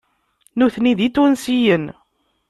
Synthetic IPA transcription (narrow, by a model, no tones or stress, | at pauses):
nuθniðit̪ːunsijən